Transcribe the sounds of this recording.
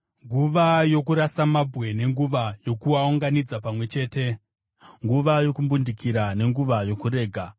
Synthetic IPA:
ŋɡuʋajo̞kuɾasamabʱɣe̞ne̞ŋɡuʋajo̞kuauŋɡanid͡zapamwe̞t͡ʃe̞ːte̞ | ŋɡuʋajo̞kumbundikiɾane̞ŋɡuʋajo̞kuɾe̞ːɡʱa

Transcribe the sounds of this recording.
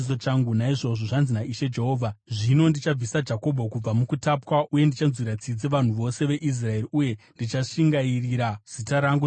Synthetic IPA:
sot͡ʃaŋɡunaiʐo̞ʐoʐanzinaiʃe̞d͡ʒe̞ɦo̞ːvʱaʐino̞ndit͡ʃab͡visad͡ʒako̞bʱokub͡vamukutapwaʔuje̞ndit͡ʃanzwiɾat͡sid͡zeʋan̤uʋo̞se̞ʋe̞ʔis̬rae̞riuje̞ndit͡ʃaʂiŋɡairiɾaz̥itaɾaŋɡu

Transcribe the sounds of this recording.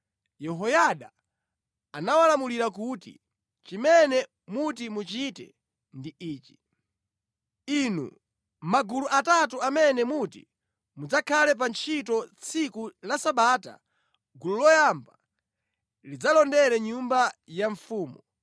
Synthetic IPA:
jɛɦɔjaɗaː | nawalamuliɾak̬utḭ | t͡ʃimɛnɛ | mut̬imut͡ʃitɛ̰ | ndiiːt͡ʃi̥ | inṵ | maɡuluʔatatuamɛnɛmutḭ | mud͡zakʰalɛp̬ant͡ʃʰitɔt͡sʰikulasaɓata̰ | ɡululɔjamba | lid͡zalɔndɛɾɛɲumbajaɱfuːmu

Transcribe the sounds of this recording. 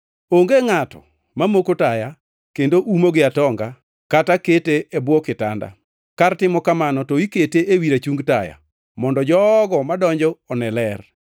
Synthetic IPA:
oŋɡeŋatɔ̰ | mamokotaja | kendoʔumoɡɪatɔŋɡa | kataketeːbwɔkɪta̰nda̰ | kartɪmɔkamanɔtɔiketeewiɾat͡ʃuŋɡtaja̰ | mɔndɔd͡ʒɔɡɔmadɔɲd͡ʒɔɔnɛlɛr

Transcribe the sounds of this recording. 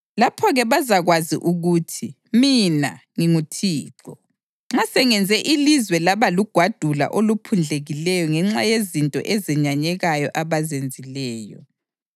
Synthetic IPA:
lapʰɔɣɛβazaɣwazḭʔuɣuːtʰi | mina̰ŋiŋutʰiːǁɔ | ŋ͡ǁasɛŋɛnd͡zʱɛʔilizwɛlaβaluɡ̥ʱwad̥ʱula̰ʔolupʰund͡ɮʱeɣilɛjɔŋɛŋ͡ǁajezintʼɔ̰ʔɛzɛɲaɲɛɣajɔʔaβazend͡zʱilɛːjɔ̰

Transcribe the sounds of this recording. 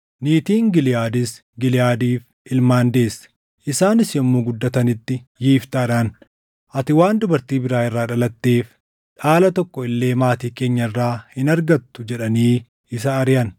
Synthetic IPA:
niːt̪iːŋɡɪlɪjaːd̪ɪs | ɡɪlɪjaːd̪iːf | ɪlmaːnd̪e̞ːsː | ʔɪsaːnɪsjɛmːuːɡʊd̪ːɐt̪ɐnɪt̪ːɪjiːft̪aːᶑɐn | ʔɐt̪ɪwaːnd̪ʊbɐɾt̪iːbɪɾaːɪrːaːᶑɐlɐt̪ːeːf | ᶑaːlɐt̪ɔkːɔɪlːe̞ːmaːt̪iːke̞ːɲːɐɪrːaːhɪnɐɾɡɐt̪ːʊd͡ʒɛᶑɐniː | ɪs̬ɐːɾɪjɐn

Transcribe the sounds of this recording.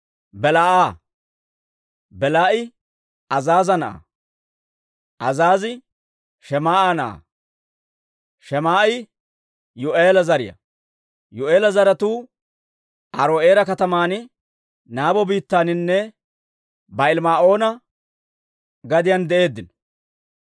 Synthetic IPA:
bɛlaːʔaː | bɛlaːʔɪ | ɐzaːzɐnɐʔa̰ | ʔɐzaːzɪ | ʃɛmaːʔanɐʔa̰ | ʃɛmaːɪ | jʊʔeːlɐzɐɾɪjɐ̰ | jʊʔeːlɐzɐɾɐt̪uː | ʔɐɾoːʔeːɾɐkɐt̪ɐmaːnɪ | naːbɔbiːt̪ːaːnɪnːɛ | bɐɪlmaːʔo̞ːnɐ | ɡɐd̪ɪjɐnd̪ɛʔe̞ːd̪ːɪnɔ

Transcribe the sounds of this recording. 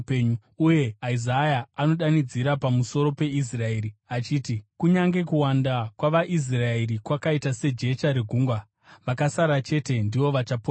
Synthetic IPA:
peɲu | uje̞aizajaːno̞ɗanid͡ziɾapamuso̞ɾo̞pe̞is̬rae̞ːɾiat͡ʃiːtikuɲaŋɡe̞kuwandakwaʋaʔis̬raeɾikwakaitase̞d͡ʒe̞t͡ʃaɾeɡʱuːŋɡwa | ʋakasaɾat͡ʃe̞te̞ndiʋo̞ʋat͡ʃapo

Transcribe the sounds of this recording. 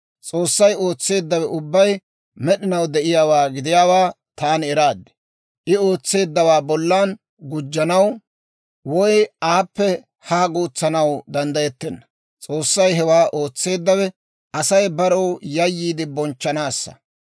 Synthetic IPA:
t͡sʼo̞ːsːɐjo̞ːt͡sːe̞ːd̪ːɐwɛʔʊbːɐj | mɛɗɪnɐwd̪ɛʔɪjaːwaːɡɪd̪ɪjaːwaː | t̪aːnɛɾaːd̪ːɛ̥ | ʔɪo̞ːt͡sːe̞ːd̪ːɐwaːbɔlːaːn | ɡʊd͡ʒːɐnɐw | wɔjaːpːɛ | haːɡuːt͡sːɐnɐwd̪ɐnd̪ɐjɛt̪ːɛnːɐ̥ | t͡sʼo̞ːsːɐjɦɛwaːʔoːt͡sːe̞ːd̪ːɐwɛ | ɐsɐjbɐɾɔwjɐjːiːd̪ɪbɔnt͡ʃːɐnaːsːɐ̥̰

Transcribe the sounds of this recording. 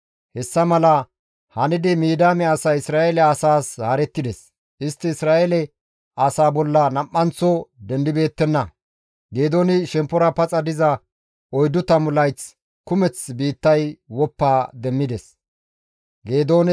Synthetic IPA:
hɛsːɐmɐlɐ | hɐnɪd̪ɪmiːd̪aːmɛɐsɐɪsɾaːelɛɐsaːshaɾɛt̪ːɪd̪ɛs | ʔɪst̪ːɪːsɾaːʔelɛ | ɐsaːbɔlːɐnɐmʔːɐnt͡sːɔd̪ɛnd̪ɪbe̞ːt̪ːɛnːɐ | ɡe̞ːd̪o̞ːnɪʃɛmpːɔɾɐpɐt͡sʼɐd̪ɪzɐ | ɔjd̪ʊt̪ɐmʊlɐjt͡s | kʊmɛt͡sbiːt̪ːɐjwɔpːaːd̪ɛmːɪd̪ɛs | ɡeːd̪o̞ːnɪ

